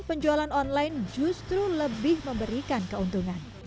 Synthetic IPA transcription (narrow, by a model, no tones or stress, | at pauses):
pəɲd͡ʒualanɔnlajnd͡ʒust̪ɾuləbɪhməmbəɾikankəunt̪uŋan